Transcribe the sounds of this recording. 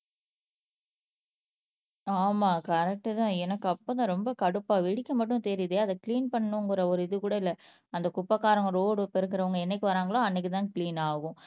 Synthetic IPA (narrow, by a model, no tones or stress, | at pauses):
aːmaːkɐɾɛk̚ʈːɯt̪ãːɛnɐkːɯɐpːõːt̪ãːɾɔmbɐkɐɽɯpːaːʋɛɽɪkːɐmɐʈːʊ̃t̪ɛɾɪðeːɐðkliːnpɐɳːɯŋɡɯɾɐɔɾɯɪðɯkuːɽɐɪlːɐ | ɐnd̪ɐkʊpːɐkːaːɾɐŋɡɐɾoːɽɯpɛɪɾɯk̬ːɪɾɐʋɐŋɡɐɛnːɛk̬ːɯʋɐɾaːŋɡɐɭoːɐnːɛkːɯt̪ãːkɭiːnaːɣʊ̃